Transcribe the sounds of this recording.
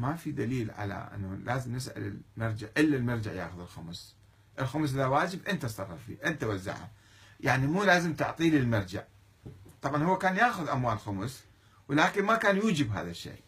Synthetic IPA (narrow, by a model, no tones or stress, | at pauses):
mafid̪aliːlʕa̰la̰ʔɪ̰nːalʔaːzɪmnɪsʕa̰lɪlmɑɾˤd͡ʒaʕʔɪlːalmɑɾˤd͡ʒaʕja̰ːxʊðɪlxʊms | ʔɪlxʊms̬ˤʔɪðawaːd͡ʒɪbʔɪnt̪asˤɑrˤːɑɾˤfḭːʔɪnt̪awazːa̰ʕa̰m | jaʕnimuːlaːzɪmt̪ʊ̰ʕt̪ˤiːlɪlmɑɾˤd͡ʒa̰ʕ | t̪ˤɑbʕanhʊwːakaːnjaːxʊðʔamwaːlxʊms | wɪlaːkɪnmakaːnjuːd͡ʒɪbɦa̰ːðaʃːḛː